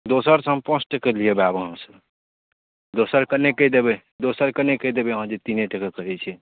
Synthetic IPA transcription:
d̪osəɾsəɦəmpɔ̃sʰʈəkeliebabəɦəmsəb | d̪osəɾkənekːɛd̪ebɛ | d̪osəɾkənekəd̪ebɛəɦə̃d͡ʒet̪ineʈəkekəɾɛt͡ʃʰɛ

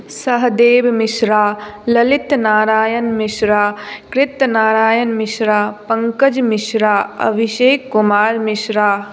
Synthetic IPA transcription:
sɐɦd̪eːbmɪʃɾaːlɐlɪt̪naːɾaːjənmɪʃɾaːkɾɪt̪naːɾaːjənmɪʃɾaːpɐ̃ŋkəd͡ʒmɪʃɾaːɐ̰bʱiʃeːkːumaːɾmɪʃɾaː

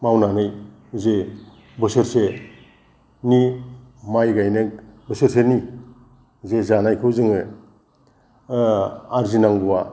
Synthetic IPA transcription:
mawnanɯj | ze | bɯsɯɾse | nimajɡajnekbɯsɯɾseni | zezanajkʰɯwzɯŋɯ | aɾzinaŋbuwa

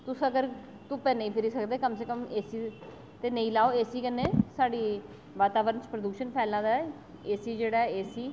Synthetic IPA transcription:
t̪ʊsəɡəɾ | t̪ʊpeːnəĩːpʰɪɾiːsəkd̪eːkəmseːkəmeːsiː | t̪eːnəĩːlaːoːeːsiːkənːẽːsaːɖiː | ʋaːt̪aːʋəɾənt͡ʃpɾəd̪uːʃənpʰɛːlãːd̪aːɛ | eːsiːd͡ʒeːɽaːɛeːsiː

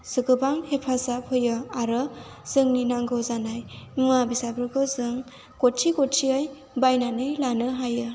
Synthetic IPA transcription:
sɯɡɯbaŋhepʰasapʰɯjɯaɾɯ | z̥ɯŋninaŋɡɯzanajnuabisabɾɯɡɔzɯŋ | kɔtt͡ʃikɔtt͡ʃiaj | bajnanɯjlanɯɦajɯ

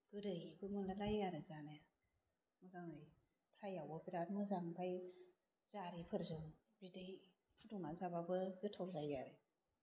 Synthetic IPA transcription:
ɡ̥ɯɾɯjbʰɯmɯndalajjaɾɯzanaja | mɯzaŋdɯj | pʰɾajawɔbiɾatmɯzaŋbʰaj | z̥aɾipʰɯɾzɯŋ | bidɯj | pʰɯduŋazababɯɡɯtʰɔwzajaɾɯ

